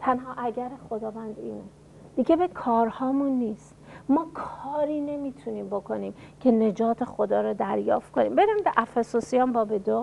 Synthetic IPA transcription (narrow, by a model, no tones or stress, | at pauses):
t̪ʰænɦɒːʔæɟæɾexo̞d̪ɒːvænd̪iːne | d̪̥iɟe̞bekʰɒːɾhɒːmunːiːst̪mɒːkʰɒːɾiːne̞miːt̪ʰuniːmbokʰo̞niːmcʰe̞ne̞d͡ʒɒːt̪ʰe̞xo̞d̪ɒːɾɔːd̪æɾjɒːft̪̚konḭːmbe̞ɾimbeʔæfesosijɒmbɒːbed̪o